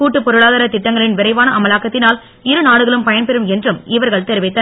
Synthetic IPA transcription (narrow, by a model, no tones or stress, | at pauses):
kuːʈːɯpɔɾɯɭaːðaːɾɐt̪ɪʈːɐŋɡɐɭɪnʋɪɾɐɪʋaːnɐʔɐmɐlaːkːɐt̪ːɪnaːl | ɪɾɯnaːɽɯɣɐɭɯmpɐjɐnpɛɾɯmɛndrɯmɪʋɐɾɣɐɭt̪eːɾʋɐɪt̪ːɐ